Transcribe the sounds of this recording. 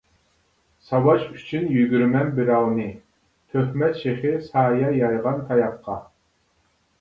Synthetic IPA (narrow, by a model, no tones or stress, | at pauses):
sɑwɑʃyt͡ʃʰynjyɡʲyɾmɛnbiɾɑwnɨ | t̪ʰøhmɛt̪ʃeχɪsɑːjɑjɑjʁɑnt̪ʰɑjɑqʰːɑ